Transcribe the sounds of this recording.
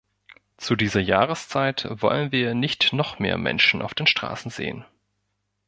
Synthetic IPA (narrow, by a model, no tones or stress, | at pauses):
t͡sudiːzɐjaːʁəst͡saɪtv̥ɔ̰lənviːɐnɪçtnɔχmḛːɐmɛ̰nʃn̩ʔa̰ʊfd̥eːnʃtʁ̥a̰ːsn̩zḛːən